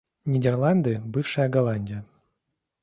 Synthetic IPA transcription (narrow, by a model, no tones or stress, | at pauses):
nʲɪdʲɪrlˠand̪ɨbɨfʂɨjəɡɐlˠanʲdʲɪjə